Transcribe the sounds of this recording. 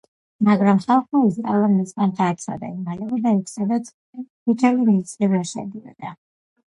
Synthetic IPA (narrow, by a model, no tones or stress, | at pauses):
maɡɾamχalˠχmaiskʼalˠanmɛsɡant̪ʰaːsʰa̰d̪a̰imalɛbid̪aikʰsad̪as | it͡ʃʰɛlimit̪sʼlivɾaʃɛ̰d̪iɔ̰d̪̥a